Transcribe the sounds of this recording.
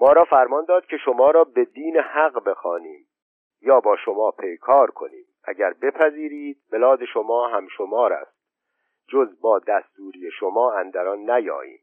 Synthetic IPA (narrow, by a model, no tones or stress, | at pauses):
mɒːɾɒːfæɾmɒːnd̪ɒːd̪̥̚kʲʰe̞ʃo̞mɒːɾɒːbe̞d̪iːnehæɢbe̞xɒːniːm | jɒːbɒːʃo̞mɒːpʰejkʰɒːɾkʰo̞̰niːmʔæ̰ɟæɾbe̞pʰæziːɾiːd̪̥̚belɒːd̪e̞ʃomɒːɦæmʃomɒːɾæ̰st̪̚ | d͡ʒozbɒːd̪æst̪uːɾijeʃomɒːænd̪æɾɒnːæjɒ̰ːḭːm